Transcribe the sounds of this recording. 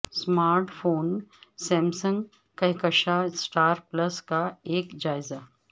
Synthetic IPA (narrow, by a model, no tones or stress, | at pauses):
smaːɾʈfʰoːnsɛ̃ːmsə̃ŋɡ | kɐɦkəʃasʈaːɾplɐskaeːkd͡ʒaːɪza